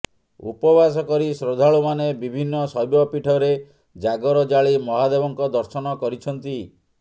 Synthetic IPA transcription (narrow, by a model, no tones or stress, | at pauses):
ṵpɔbas̬ɔkɔɾisɾod̪ʱaɭumanebibʱinːɔsɔɦjbɔpiʈʰɔɾe | d͡ʒaɡɔɾɔd͡ʒaɭimɔɦad̪ebɔŋkɔd̪ɔɾsɔnɔkɔɾit͡ʃʰɔnt̪i